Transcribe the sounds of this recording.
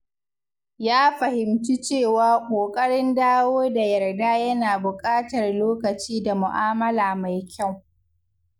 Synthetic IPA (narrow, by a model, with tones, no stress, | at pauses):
jaː˦ɸɐ˨hɪ˨mt͡ʃi˦t͡ʃeː˦˨waː˦kʷʼoː˨kʼɐ˦ɽɪ˦ndaː˦woː˦da˨jɐ˨rdaː˦jɐ˦naː˨bʊ˨kʼaː˦tɐ˨rloː˦kɐ˨t͡ʃiː˦da˨mʊ˨ʔaː˦mɐ˦laː˨ma˨jkʲa˦˨w